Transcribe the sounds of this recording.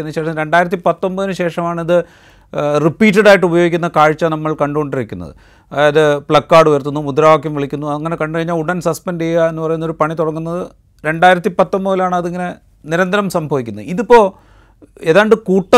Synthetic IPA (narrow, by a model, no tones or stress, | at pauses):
enːɨɕeːʂɐɾe̞ɳɖaːjiɾɐt̪ːipɐt̪ːo̞mbɐðinɨɕe̞ːʂɐmaːɳiðɨ | ripːiːt̬ːɐɽaːjiʈːɨubɐjoɡikʲːunːɐkaːɻt͡ɕːɐnɐmːɐɭkɐɳɖuko̞ɳɖiɾikʲːṵnːɐ̰ðɨ̰ | ɐðajɐðebɭɐkːaːɽuʋɐjɐrt̪unːumud̪ɾaːʋak̬ːjɐmʋiɭikʲːunːuɐŋːɐne̞kɐɳɖɨkɐɻiɲːaːɭuɽɐnsɐspenɖijːae̞nːupɐrɐjunːoɾupɐɳit̪oɽɐŋːunːɐðɨ | ɾe̞ɳɖaːjiɾɐt̪ːipɐt̪ːombɐðilaːɳɨɐðeiŋːɐne̞ | niɾɐnd̪ɐɾɐmsɐmbʱɐʋikʲːunːɐiðipːo̞ː | eðaːɳɖɨkuːʈːɐ